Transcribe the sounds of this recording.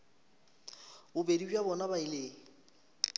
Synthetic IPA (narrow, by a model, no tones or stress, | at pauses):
bʊbedid͡ʒjabɔnabaileːŋ̩